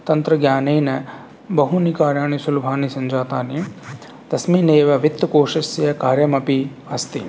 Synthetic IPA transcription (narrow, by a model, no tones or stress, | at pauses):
t̪ɐnt̪ɾɐɡjaːneːnɐ | bɐɦunikaːɾjaːɳ̃isulbʱaːnisɐnd͡ʒaːt̪aːni | d̪̥ɐsmiːneːʋɐʋɪt̪ːkoːʃɐsɐkaːɾjɐmɐpi | ɐst̪i